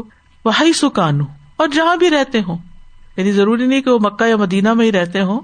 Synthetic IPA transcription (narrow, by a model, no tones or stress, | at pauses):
ʋɐɦɐisʊkaːnũ | ɔːɾd͡ʒɐɦãbʱiɾɛɦt̪eɦõːjɐːnizɐɾuːɾinɐɦĩkeʋomɐkːajamɐd̪iːnamẽĩɾɛɦt̪eɦõː